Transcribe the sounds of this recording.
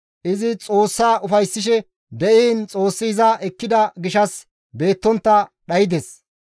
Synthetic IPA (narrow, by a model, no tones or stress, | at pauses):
ʔɪzɪt͡sʼo̞ːsːaːʊfɐjsːɪʃ̬ɛ | d̪ɛʔiːnt͡sʼo̞ːsːɪɪzɐʔɛkːɪd̪ɐɡɪʃɐs | be̞ːt̪ːɔnt̪ːɐɗɐjɪd̪es